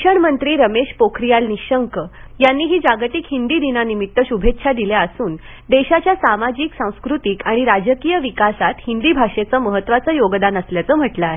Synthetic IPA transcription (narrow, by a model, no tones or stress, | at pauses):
ɕəɳmənt̪ɾiːɾəmeɕpokʰɾijalniɕəŋkəjanːiːɦiːd͡zaɡt̪ikhind̪iːd̪inanimit̪ːəɕubʱetɕʰad̪iljaəsuːn | d̪eɕat͡ɕjasamad͡ʑiːksãw̃skɾut̪iːkaɽ̃iɾad͡ʑəkijəʋikasat̪hind̪iːbʱaʂet͡səːməɦət̪ːʋat͡səːjoɡd̪anəsljat͡səːm̤əʈləːɦe